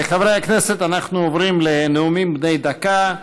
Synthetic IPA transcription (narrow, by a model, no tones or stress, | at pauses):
eχavɾajaknese̞t̪anaχnuovʁimleneumimbnejd̪aka